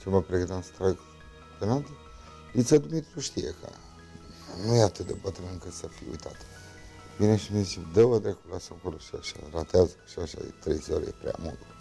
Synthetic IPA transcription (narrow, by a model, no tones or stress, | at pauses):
t͡ʃeməpɾeɡɨnt̪amst̪ɾaɡ | penat̪e | it̪səd̪umit̪ɾuʃt̪ijḛkʰə̰ | nujeat̪ɨt̪̚d̪ebət̪ənɨŋkəsəfiṵjt̪ʰat̪ə̥ | bineʃimesimd̪əvəd̪ɾekulasəakoloʃiaʃa̰ɾat̪eazə̥ʃiaʃa̰ḛt̪ɾḛjzal̰ḛpɾea̰mṵlt̪